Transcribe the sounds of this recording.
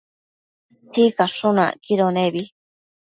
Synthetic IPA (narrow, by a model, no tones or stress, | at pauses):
sikaʂunã̰kiɾonẽβi